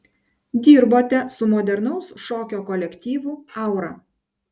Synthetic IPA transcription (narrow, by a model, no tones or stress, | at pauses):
d̪ʲiːɾboːt̪ʲɛsʊmɔːd̪ʲɛɾnɔʊsʃoːkʲoːkɔlʲɛkʲt̪ʲiːʋʊɑˑʊɾɐ